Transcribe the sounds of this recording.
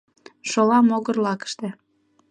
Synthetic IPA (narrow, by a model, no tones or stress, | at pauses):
ʃolɑmoɣərlɑkə̥ʃt̪ĕ